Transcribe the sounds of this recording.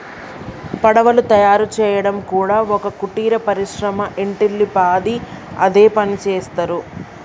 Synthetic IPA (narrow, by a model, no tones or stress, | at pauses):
pɐɽɐʋɐlut̪ɐjaːɾut͡ʃɛːjɐɽɐmkuːɽaːɔkɐkuʈiːɾɐpɐɾiʃɾɐmɐʔeɳʈilːipaːd̪i | ɐ̰d̪eːpɐnit͡ʃɛːst̪ɐɾu